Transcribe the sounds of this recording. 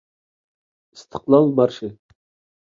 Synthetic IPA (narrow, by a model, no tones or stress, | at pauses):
ɨst̪ʰə̥qlˠɑlˠbɑɾʃɪ